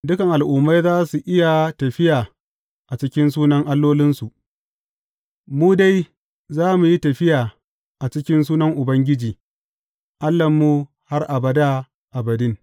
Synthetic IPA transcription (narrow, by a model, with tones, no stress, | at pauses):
dʊ˦kɐ˨ŋʔa˨lʔʊ˨mːa˦jzaː˦su˨ʔɪ˦ja˨tɐ˨ɸɪ˦jaː˨ | ʔa˨t͡ʃɪ˦kʲɪ˦nsuː˦nɐ˦ŋʔa˦lːoː˦lɪ˦nsu˨ʔ | muː˦da˦j | zaː˦mu˨ji˦tɐ˨ɸɪ˦jaː˨ | ʔa˨t͡ʃɪ˦kʲɪ˦ns̬uː˦nɐ˦ŋʔʊ˨bɐ˦ŋɡʲɪ˦d͡ʒiː˨ | ʔa˦lːɐ˨mːu˦ | ha˦rʔa˨bɐ˨da˦ | ʔa˨bɐ˨dɪ˦ŋ